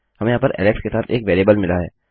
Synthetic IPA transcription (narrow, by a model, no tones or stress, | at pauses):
hɐmẽjɦaːpɐɾʔɛ̰ːlɛkskesaːt̪ʰeːkʋeːliːbəlmɪlaɦɛ̰ː